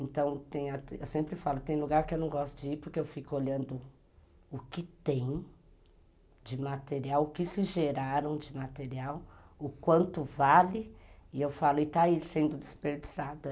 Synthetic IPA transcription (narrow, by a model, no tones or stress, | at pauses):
ẽnt̪ɐ̃w̃t̪ẽj̃ɐewsẽmpɾɪfalʊt̪ẽj̃luɡaɾkɪewnɐ̃w̃ɡɔst̪ʊd͡ʒɪiɾpʊɾkeewfikʊoʎɐ̃nd̪ʊ | ʊkɪt̪ẽj̃ | d͡ʒɪmat̪eɾiawʊkɪsɪʒeɾaɾɐ̃w̃d͡ʒɪmat̪eɾiaw | ʊkwɐ̃nt̪ʊvalɪɪewfalʊɪt̪aisẽnd̪ʊd̪ɪspeɾd͡ʒiz̥ad̪ɐ